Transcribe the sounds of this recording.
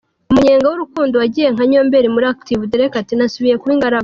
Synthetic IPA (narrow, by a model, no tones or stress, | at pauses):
umuɲeːŋɡawuɾukuːndowaɟiːje̞ŋ̥aɲo̞mbe̞ɾimuɾaktivudeɾekatinasuβije̞kuiŋɡaɾaɡ